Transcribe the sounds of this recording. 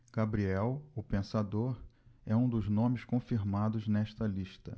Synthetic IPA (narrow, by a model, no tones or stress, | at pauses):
ɡ̥abɾiɛwʊpẽsad̪oɾɛũd̪ʊznõmɪskõfiɾmad̪ʊznɛʃt̪ɐliʃt̪ɐ̰